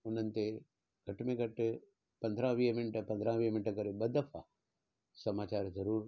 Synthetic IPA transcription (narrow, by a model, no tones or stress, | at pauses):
ʊn̤ənɪ̆t̪e | ɡʱɐʈmẽɡʱɐʈ | pɐ̃nd̪ʱɾãʋiːmɪɳʈəpɐ̃nd̪ʱɾãʋiːɦmɪnʈkɐɾebɐd̪əfʰa | sɐmaːt͡ɕaːɾzɐɾuːɾ